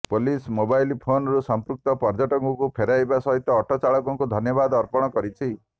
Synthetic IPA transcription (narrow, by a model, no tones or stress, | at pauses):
polismobajlipʰonɾusɔmpɾuk̚t̪ɔpɔɾd͡ʒɔʈɔŋkɔkupʰeɾajbasɔɦit̪ːɔːʈʰɔt͡ʃaɭɔkɔŋkud̪ʱɔnjɔbad̪ɔɾpɔɽ̃ɔkɔɾit͡ʃʰi